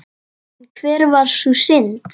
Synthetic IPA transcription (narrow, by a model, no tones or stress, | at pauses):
kʰvɛːɾvaɾ̥susɪnt̪